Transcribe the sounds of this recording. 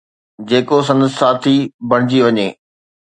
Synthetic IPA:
d͡ʑeːkos̬ɐ̃nd̪əssaːt̪ʰibʱɐɽ̃ɪd͡ʑiʋɐɲeː

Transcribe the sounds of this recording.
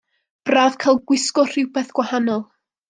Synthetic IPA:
b̥raːvkʰaːlˠɡwɪskɔr̥ɪwbɛθɡ̥wahanɔlˠ

